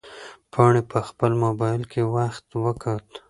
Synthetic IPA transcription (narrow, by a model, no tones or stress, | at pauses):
pʰɑɳepəxpəlmobɑjɪlkʰewaxt̪wəkat̪